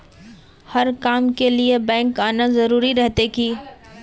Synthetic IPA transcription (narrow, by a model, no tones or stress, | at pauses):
hɐɾkaːmkeliebɛ̃ːŋkaːnazɐɾuːɾiɾɛɦt̪eki